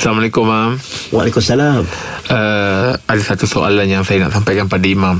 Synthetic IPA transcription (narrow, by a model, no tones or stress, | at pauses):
salamalekʊmːamwalekumasalamʔəadasat̪usoʔa̰lanjaŋsajana̰ʔsampajkanpadaimam